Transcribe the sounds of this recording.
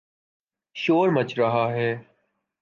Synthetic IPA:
ʃoːɾmət͡ʃɾəɦaːɦeː

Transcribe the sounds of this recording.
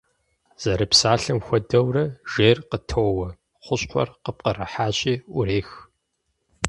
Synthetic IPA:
z̥ɐɾɨpsaːɬɨmxʷɔdɐwrɐʒ̥eːrqətʰɐwwɐ | χʷʊɕʼqʷɔ̰rqəp̚qɐrɐħaːɕʼiːʔʷʊɾeːx

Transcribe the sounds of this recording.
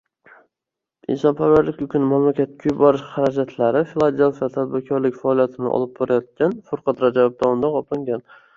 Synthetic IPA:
ɪ̰nsɒnpʰavaɾlɪkʲʊkʲʰʊnɪmamlakʲat̪̚kʲʰʊjbɒɾɪʃχaɾad͡ʒat̪ʰlaɾɪfilˠad̪e̞lfijat̪ʰad̪̚bɪɾkʲʰɒɾlɪkʲfaːlˠijat̪ʰɪnɪ̰ʔɒ̰lˠɪb̚bɒɾajɒt̪̚kʲanfʊɾqʰɑt̪ɾad͡ʒabɒb̚d̪ɒʊnd̪aqɒpʰɪŋɡʲan

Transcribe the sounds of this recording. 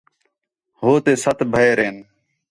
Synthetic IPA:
ɦoːt̪eːsət̪ʰbʱəeːɾeːn

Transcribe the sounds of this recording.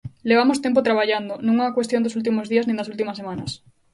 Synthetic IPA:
leβamost̪empot̪ɾaβaʎand̪onũŋakwest̪jond̪osult̪̬imozðiɐznĩnd̪ɐsult̪̬imɐsemanɐs

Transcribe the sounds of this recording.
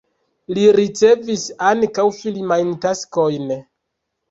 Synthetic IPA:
liɾit͡se̞visankawfilmajntasko̞jn

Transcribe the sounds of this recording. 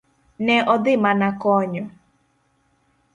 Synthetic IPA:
nɛʔɔdɪmanakɔɲɔ

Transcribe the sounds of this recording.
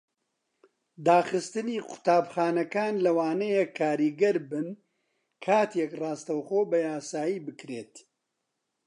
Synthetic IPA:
d̪aːχɨst̪ɨniːqʊ̥t̪aːbχaːnɐkaːnlɐwaːnɐjekʰːaːɾiːɡɐɾbɨn | kʰaːt̪ʰekrɑːst̪ɐwχoːbɐjaːsaːjiːbɨkɾeːt̪

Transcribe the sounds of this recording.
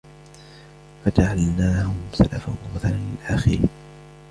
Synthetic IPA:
fad͡ʒaʕalnaːhʊmsalafamʊmaθalanlɪlʔaxɪɾh

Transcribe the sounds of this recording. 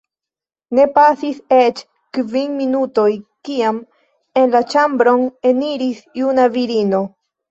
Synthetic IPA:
ne̞pasiset͡ʃ | kvinminuto̞jkiam | e̞nlat͡ʃambɾo̞ne̞niɾisjunaviɾino̞

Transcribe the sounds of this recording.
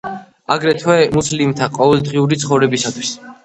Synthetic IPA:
aɡɾɛt̪ʰwɛmuslimt̪ʰaqʼɔvɛlˠd̪ʁiuɾit̪sχɔvɾɛbisat̪ʰwis

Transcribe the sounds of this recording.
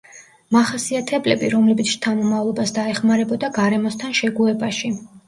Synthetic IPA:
maχasiat̪ʰɛblɛbiɾɔmlɛbit̪st̪ʰamɔmavlˠɔbasd̪aɛχmaɾɛbɔd̪aɡaɾɛmɔst̪ʰanʃɛɡuɛbaʃi

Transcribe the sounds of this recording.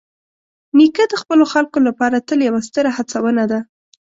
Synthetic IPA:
nikad̪əxpəloxalkolapɑɾat̪əljawast̪əɾahat͡sawənad̪a

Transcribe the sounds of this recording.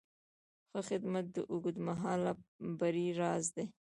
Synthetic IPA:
xəxɪd̪mat̪̚d̪əʔʊɡud̪maɦɑlabaɾiɾɑzd̪e

